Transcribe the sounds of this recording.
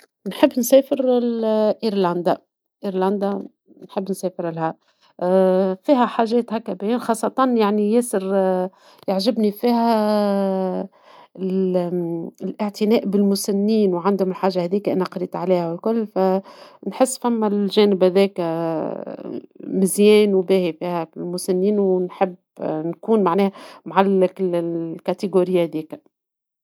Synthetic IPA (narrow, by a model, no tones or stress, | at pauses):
nħɪbːnsɛːfɪɾlʔiɾlænd̪a | ʔiɾlænd̪a | nħɪbːnsɛːfɪɾlhæ | fiːɦæħaːʒɛːt̪hækːæbæjiːnxɑːsˤːɑt̪ˤɑnjaʕnijæːsɪɾ | jaʕʒɪbnifiːhæ | ɪlʔɪʕt̪ɪnɛːʔbɪlmʊsanːiːnwʕand̪hʊmɪlħaːʒːahæðiːkæʔɪnhæqɑɾiːt̪ʕalæːhæwɪlkʊlːfænħɪsːfæmːælʒæːnɪbhæðɛːk | mɪzjɛːnwbæːhifiːhæɪlmʊsanːiːnwnħɪb | nkuːnmaʕnɛːhæmʕalːɪkɪlkæt̪ɪɡoɾɪjːahæd̪iːk